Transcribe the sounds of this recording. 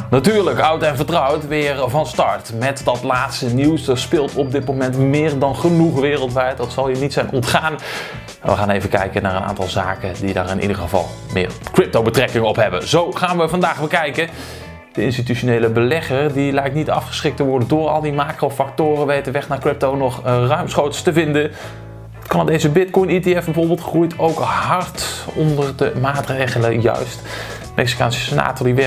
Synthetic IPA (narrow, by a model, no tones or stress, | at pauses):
natyːɹləkʌwtɛnvəɹtrʌwtʋɪːɹvɑnstɑɹtmɛtdɑtlaːtstəniwsdɑtspɪːlˠtɔb̚dɪt̚momɛntmɪːɹdɑnχənuχʋɪːrəlˠtʋɛjt̚dɑtsɑlˠɦiːɹnitsɛjnʔɔntχaːn | ma̰ʋəχaːnejvəkɛ̰jkənaːɹəna̰ːntɑlˠza̰ːkədida̰ːɹɪnʔḭdəʁəvɑ̰lˠ | mɪ̰ːɹkɹɪp̚towbətrɛkɪŋəɔpɦɛbə̰nzowχaːnʋəvɑndaːχbəkɛjkə | d̥əɪnstityʃonejləbəlɛχəɹdilɛjk̚tnitɑ̰fχə̥sχɪk̚təʋɔɹdəndʊːɹɑ̰lˠdimaːkrowfɑk̚tʊːrəʋejtəʋɛχnaːɹkrɪp̚townɔχrœɥmsχowtstəvɪndən | ɑtkɑnədejzəbɪtkɔjniteɛfbəvʊːɹbɪːlˠtχrujtowkɦɑɹtɔndərdəmaːtrejχələjœ̰ɥst | mʔɛksi̥ka̰ːnsə̥səna̰ːtodiʋɪ